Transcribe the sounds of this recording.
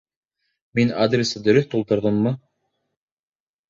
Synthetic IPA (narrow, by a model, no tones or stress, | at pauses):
minad̪rʲesɤd̪ɵ̆ɾɵθt̪ulˠt̪ɤ̆ɾðɤmːɤ